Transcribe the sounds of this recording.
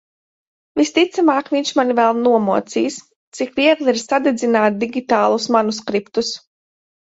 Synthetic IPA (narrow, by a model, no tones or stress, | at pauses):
vist̪it̪samaːkviɲʲʃmanivɛlˠnuɔmɔɔt̪siːs | t̪sikviɛɡlˠiɾsad̪ɛd̪zinaːt̪̚d̪iɡʲit̪aːlˠusmanuskɾipt̪us